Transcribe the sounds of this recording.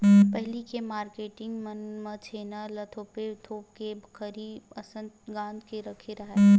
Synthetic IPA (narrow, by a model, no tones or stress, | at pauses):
pəɦlikemaːɾkeːʈɪ̃ŋɡmənmət͡ʃʰeːnalɐt̪ʰoːpet̪ʰoːp̚kebʱkəɾiɐsə̃nd̪ɡãːnd̪keɾɐkʰeɾɐɦɛ